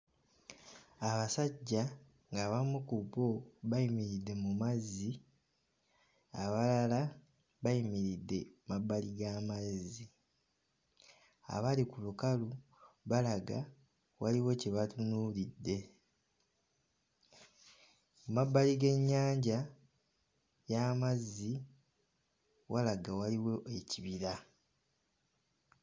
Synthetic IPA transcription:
aβasaɟːa | ŋɡaβamukubo̞βajimiɾidːe̞mumazːi | a̰βalala | βajimiɾidːe̞mabːaliɡamazi | a̰βalikulukalu | βalaɡa | waliwo̞ceβatunuːlidːe̞ | umabːaliɡe̞ɲːaːɲɟa | jamazːi | walaɡawaliwo̞ʔeciβiɾa

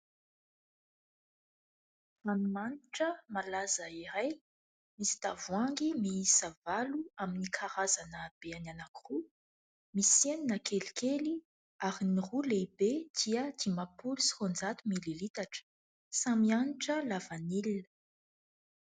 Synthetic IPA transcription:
amimaniʈ͡ʂəmalazəiɾaj | misi̥d̪avuaŋɡimiisavaluaminikʰaɾazanəb̥eananaku̥ru | miseninakʰelikʰeli | aɾiniruleibed̪̥iəd̪̥imapulusi̥χond͡zat̪umililit̪aʈ͡ʂə̥ | samianiʈ͡ʂəlavanilinə̥

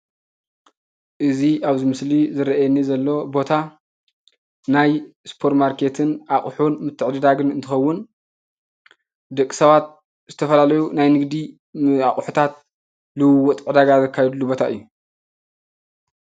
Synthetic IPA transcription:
ʔɨziʔaβzimɨslizɨɾɐʔajɛnizɐlːo̞bo̞t̪ʰa | najspʰo̞ɾt̪maɾkʰe̞t̪ʰɨnaχʼħunmɨt̪ʰːɨʕd̪ɨd̪aɡɨnɨnt̪ʰɨxɐwːʊn | d̪ɐkʼːi̥sɐβat̪̚ | z̥ɨt̪ʰɐfɐlalɐjunajnɨɡd̪i | aχʼħu̥t̪ʰat̪̚ | lɨwɨwːɔt̪ʼʕɨd̪aɡazɐkʰːajɛd̪ɨlːubo̞t̪ʰaʔɨ̰jːu

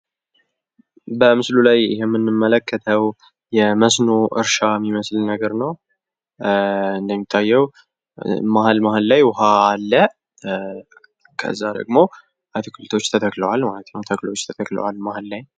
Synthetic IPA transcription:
bəmɨslulajɪ̰ɦemːɨnːɨmːələkʰːət̪ʰəw | jɛməsnoʔɨ̰ɾʃamːiməslnəɡəɾnəw | ɨnd̪əmːit̪ʰːajːɛw | maɦalmaɦalːajwʊɦaːlːə | kʰə̰ɨzːad̪ə̰ɡmo̞ | ʔat̪ʰɨkʰɨlt̪ʰo̞t͡ʃːt̪ʰət̪ʰəkləwalmalət̪ʰɨnɨmt̪ʰəklo̞t͡ʃːt̪ʰət̪ʰəklə̰walmahalːaj

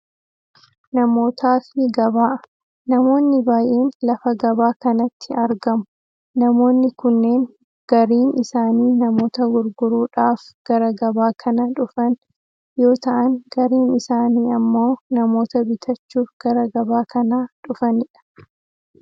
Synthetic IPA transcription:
nɐmo̞ːt̪ʰaːfɪɡɐβaːʔ | nɐmo̞ːnːɪbaːjʔe̞ːnlɐfɐɡɐbaːkɐnɐt̪ʰːɪɐɾɡɐmʊ | nɐmo̞ːnːɪkʊnːe̞ːŋ | ɡ̥ɐɾiːnɪsaːniːnɐmo̞ːt̪ɐɡʊɾɡʊɾuːᶑaːfɡ̥ɐɾɐɡɐbaːkʰɐnɐᶑʊfɐn | jo̞ːt̪ɐʔɐŋɡɐɾiːnɪsaːniːɐmːo̞ːnɐmo̞ːt̪ɐbɪt̪ʰɐt͡ʃːuːfɡ̥ɐɾɐɡɐbaːkʰɐnaːᶑʊfɐnɪᶑɐ̥

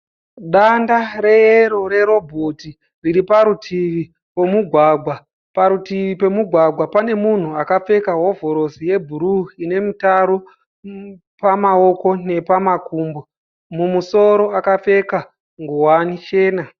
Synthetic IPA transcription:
ɗandaɾe̞eɾo̞ɾe̞ɾo̞bʱoti | riɾipaɾutʰiʋi | we̞muɡʱwaːɡʱwa | paɾutiʋipe̞muɡʱwaɡʱwapane̞mun̤uakafe̞kaɦo̞vʱo̞ɾo̞sije̞bʱuɾuine̞mitaɾo | pamao̞ko̞ne̞pamakuːmbo | mumuso̞ɾo̞akafe̞ka | ŋɡuwanit͡ʃe̞ːna

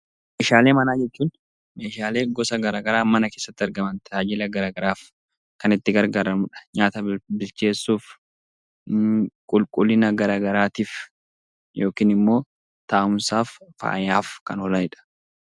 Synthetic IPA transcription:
meːʃaːle̞ːmɐnaːd͡ʒɛt͡ʃːuːn | me̞ːʃaːle̞ːɡɔsɐɡɐɾaːɡɐɾaːmɐnɐke̞ːsːɐt̪ːɪɐɾɡɐmɐnt̪ɛ̥aːd͡ʒɪlɐɡɐɾaːɡɐɾaːf | kɐnɪt̪ːɪɡɐɾɡaːɾɐmʊᶑɐ̥ɲaːt̪ɐbɪlt͡ʃe̞ːsːuːf | kʼʊlkʼʊlːɪnɐɡɐɾaːɡɐɾaːt̪iːf | jo̞ːkiːnɪmːo̞ː | t̪aːʔʊmsaːfːa̰ːjaːfkɐnɔlɐnɪᶑɐ̥

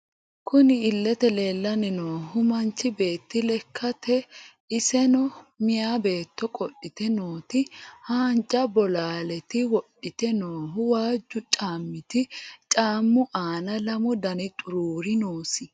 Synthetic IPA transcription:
kʊnɪɪlːɛt̪ɛle̞ːlːɐnɛnoːɦʊmɐnt͡ʃːɪbe̞ːt̪ːɪlɛkʰːɐt̪ɛ | ɪsɛnɔmɪjaːbe̞ːt̪ːɔkʼɔɗːɪt̪ɛnoːt̪ɪhaːnt͡ʃʼːɐbɔlaːlɛt̪ɪwɔɗːɪt̪ɛnoːɦʊwaːd͡ʒːʊt͡ʃʼaːmːɪt̪ɪt͡ʃʼaːmːʊʔaːnɐlɐmʊd̪ɐnɪt̪ʼʊɾuːɾɪnoːsɪ

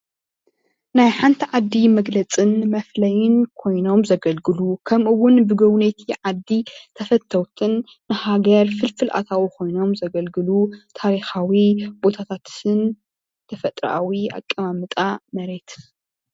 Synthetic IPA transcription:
najħant̪ʰiʕad̪ːimɐɡlɐt͡sʼɨnmɐflɐjɪnkʰo̞jno̞mzɐɡɐlɡɨlukʰɐmʔɨwːʊnbɨɡɐwnet̪ʰiʕad̪ːit̪ʰɐfɐt̪ʰːɐwt̪ʰɨnː | ɨhaɡɐɾfɨlfɨlʔa̰t̪ʰawikʰo̞jno̞mzɐɡɐlɡɨlut̪ʰaɾixawibo̞t̪ʰat̪ʰat̪ɨn | t̪ʰɐfɐt̪ʼɾ̰ʔa̰wia̰kʼːɐmamɨt̪ʼamɐɾe̞t̪

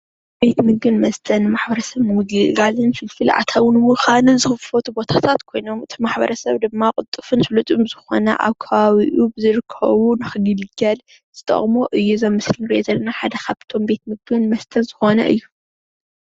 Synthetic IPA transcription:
b̥e̞t̪mɨɡɨnmɐst̪ʰɐnːɨmaħbɐɾɐsɐβnɨɡɨɡalɨnfɨlfɨlʕa̰t̪ʰawɨnmɨxanɨnzɨxɨffot̪ʰubo̞t̪ʰat̪ʰat̪kʰo̞jno̞mɨt̪ʰimaħbɐ̰ɾɐsɐβd̪ɨmːakʼɨt̪ʼːɨfɨnfɨlut̪ʼumɨzɨxo̞̰nɐ̰ʔa̰βkʰɐβaβiʔubɨzɨɾɨkʰːɐ̰βunɨxɨɡɨlɡɐl | z̥ɨt̪ʰʼɐ̰χʼmoʔɨjːuzɐmːɨslinɨɾiʔozɐlːɐnaħad̪ɐkʰaβt̪ʰo̞mbe̞t̪̚mɨɡɨnmɐst̪ʰɐnzɨxo̞nɐ̰ʔɨ̰jːu

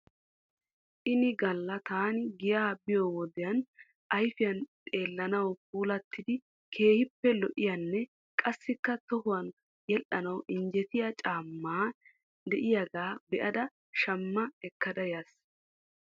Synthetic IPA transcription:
ʔɪnɪɡɐlːɐt̪aːnɪɡɪjaːbɪjowɔd̪ɪjɐn | ʔɐjfɪjɐnt̪ʼe̞ːlːɐnɐwp̚uːlɐt̪ːɪd̪ɪ | kʰe̞ːhɪpːɛlɔʔɪjɐnːɛ | kʼɐsːɪkːɐt̪ɔɦʊwɐn | jɛlʔɐnɐwʔɪnd͡ʒɛt̪ɪjɐt͡ʃʼaːmːaː | d̪ɛʔɪjaɡaːbɛʔɐd̪ɐ | ʃɐmːɐɛkːɐd̪ɐjas

